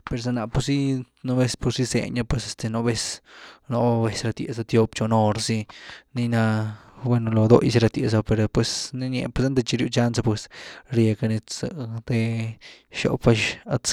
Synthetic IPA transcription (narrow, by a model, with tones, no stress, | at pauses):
pe˨ɾs̬a˧na˧˨pu˧si˦ | no˦be˧spu˧si˦sḛ˧ɲa˧pwe˧se˧st̪e˧no˧be˧sno˧ʔbe˧sɾa˧t̪jḛ˨sa˧t̪jo˦pt͡ʃo˧no˧ɾsi˧ni˧na˧bwe˦˧no˧lo˧d̪o̰˦jsi˧ɾa˧t̪je˨s̬a˧pe˧ɾpwe˧sni˦nḛ˧pwe˧sa˦nd̪e˧t͡ʃi˧ɾju˧˦t͡ʃa˦nsa˧pwe˧sɾje˧ka˧ne˧t͡sa˧t̪e˧ | ʃo̰˨pfa˧ʃa˧t͡s